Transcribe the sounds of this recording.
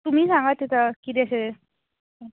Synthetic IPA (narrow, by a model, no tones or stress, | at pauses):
t̪um̤iːsãŋɡat̪et͡sakit̪̬iaɕe